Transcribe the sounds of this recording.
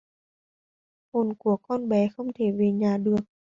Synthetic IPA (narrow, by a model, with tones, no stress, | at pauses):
ho˨˩nku˧˩əkɔ˧nɓɛ˨˦xə˧wŋ͡mt̪ʰe˧˩ve˨˩ɲaː˨˩ɗɨ˨˩ək̚